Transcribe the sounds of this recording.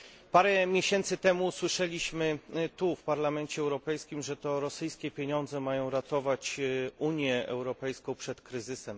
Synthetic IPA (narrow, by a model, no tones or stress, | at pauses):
paɾɛmʲjeɕɛnt̪sɘt̪ɛmuswɘʂɛlʲiɕmɘt̪ufpaɾlamɛnt͡ɕɛːwɾɔpɛjskʲimʐɛt̪ɔɾɔsɘjskʲɛpʲjeɲɔnd̪zɛmajɔ̃w̃ɾat̪ɔvat͡ɕuɲjɛɛwɾɔpɛjskɔ̃w̃pʂɛt̪kɾɘzɘsɛm